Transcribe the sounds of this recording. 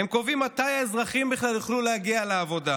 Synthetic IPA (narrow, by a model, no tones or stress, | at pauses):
emko̞vimːat̪ajaezʁaχimbiχlaljiχlulehaɡialeːvo̞d̪a